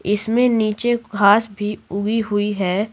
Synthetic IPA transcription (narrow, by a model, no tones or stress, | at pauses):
ɪsmẽniːt͡ʃeɡʱaːsbʱiʊɡiɦʊiɦɛː